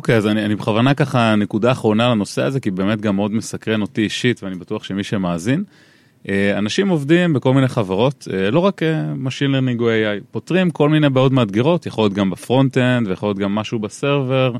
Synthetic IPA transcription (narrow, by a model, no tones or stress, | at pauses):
okejazanianibeχavanakaχane̞kudaːχʁo̞nalano̞se̞aze̞kibe̞ːme̞t̚ɡamːeo̞d̪me̞sakʁe̞no̞tiːʃitveanibatuaχʃe̞miʃe̞maːzin | ʔeanaʃimo̞vdimbeko̞lmineχavaʁo̞telo̞ʁakemaʃinleʁniŋɡwejajpo̞tʁimko̞lminejbeo̞dmaːd̪ɡiʁo̞t̪jaχoljo̞t̪̚ɡambafʁo̞nt̪endvejaχoljot̪̚ɡamːaʃubaseʁve̞ʁ